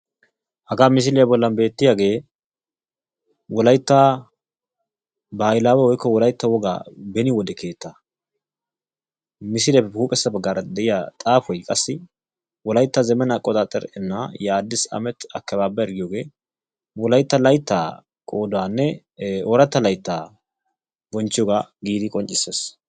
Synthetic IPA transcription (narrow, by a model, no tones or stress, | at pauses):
hɐɡaːmɪs̬ɪlɛjɐbɔlːɐnbe̞ːt̪ːɪjaːɡe̞ː | wɔlɐjt̪ːaː | bɐjlaːwɛwɔjkːɔwɔlɐjt̪ːɐwɔɡa̰ːbɛnɪwɔd̪ɛkʰe̞ːt̪ːa | mɪsɪlɛɛuːpʼɛsːɐbɐɡːaɾɐd̪ɛʔɪjat̪ʼaːfɔjkʼɐsːɪ | wɔlɐjt̪ːazɛmɛnakʼɔd̪at̪ʼɛ̰ɾʔɛnːajaːd̪ːɪsɐ̰mɛt̪ɐkːɛbaːbːɐɛɾɡɪjoːɡe̞ː | wɔlɐjt̪ːɐlɐjt̪ːa̰ː | kʼoːd̪waːnːɛ | ɔɾɐt̪ːɐlɐjt̪ːaː | bɔnt͡ʃːɪjɔɡaɡiːd̪ɪkʼɔnt͡ʃʼɪsːes